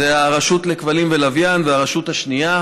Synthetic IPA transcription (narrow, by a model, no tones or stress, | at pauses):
eaʁaʃut̪lekvalimvelavjanveaʁaʃut̪haʃnija